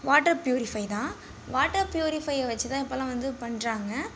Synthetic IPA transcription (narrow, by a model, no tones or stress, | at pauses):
ʋaːʈɐɾpjuːɾɪfɐɪt̪ãː | ʋaːʈːɐɾpjuːɾɪfɐɪɐʋɐt͡ʃːɯt̪ãːɪpːoːlãːʋɐnd̪ɯpɐɳɾaːŋɡɐ